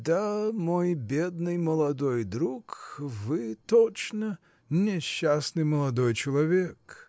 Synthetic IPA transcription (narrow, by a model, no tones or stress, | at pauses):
d̪amojbʲed̪nɨjməlˠɐd̪ojd̪ɾukvɨt̪ot͡ʃnə | nʲɪɕːasnɨjməlˠɐd̪ojt͡ɕɪlˠɐvʲek